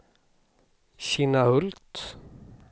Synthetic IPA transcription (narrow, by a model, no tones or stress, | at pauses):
ɕinahɵltt̪